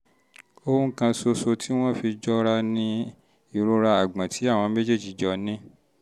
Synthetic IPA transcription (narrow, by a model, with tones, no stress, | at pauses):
o˧ũ˦kã˧so˧so˧tʰi˦w̃ɔ̃˦fi˧d͡ʒɔ˦ɾa˧nĩ˦ | i˦˨ɾo˧ɾa˧a˨ɡ͡bã˨tʰi˨˦a˦˨w̃ɔ̃˧˦me˦d͡ʒe˦˨d͡ʒi˨˦d͡ʒɔ˧nĩ˦